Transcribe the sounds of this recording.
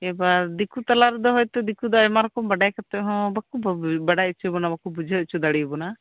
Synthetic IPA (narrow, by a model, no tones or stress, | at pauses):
ɛbaɾd̪ikut̪alaɾd̪ɔɦɔjt̪ɛd̪ikud̪ɔjmaɾɔkɔmbɐɖajkat̪ɛɦɔ̃bakubbɐɖajt͡ʃʰubɔnabakubud͡ʒʱət͡ʃʰud̪aɽibɔna